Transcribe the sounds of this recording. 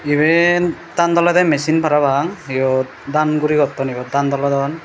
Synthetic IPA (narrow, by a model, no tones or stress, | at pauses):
ibɛn | tand̪ɔladɛmɛsinpʰaɾabaŋijɔt̚ | danɡuɾiɡɔtːɔnibɔt̚dand̪ɔladɔn